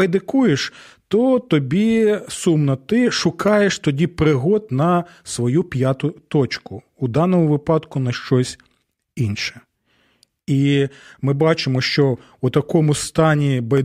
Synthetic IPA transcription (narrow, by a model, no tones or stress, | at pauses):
ɐjd̪ɪkujeʃt̪ɔt̪ɔbʲisumnɐt̪ɪʃʊkɑjeʃt̪ɔdʲipɾɪɦɔd̪nɐsʋɔjupʲjat̪ʊt̪ɔt͡ʃkʊːd̪ɑnɔmʊʋɪpɑd̪kʊnɐʃt͡ʃɔsʲ | inʃɛ̥ | imɪbɑt͡ʃɪmɔʃt͡ʃɔ | ut̪ɐkɔmʊst̪ɑnʲibɐj